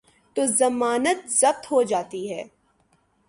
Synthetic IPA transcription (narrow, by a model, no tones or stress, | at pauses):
t̪oːzɐmaːnət̪zɐb̚t̪ɦod͡ʒaːt̪iɦɛː